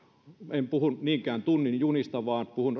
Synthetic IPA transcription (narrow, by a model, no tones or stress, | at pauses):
empuhunniːŋkæːnt̪unːinjunist̪ɑʋɑːnpuhun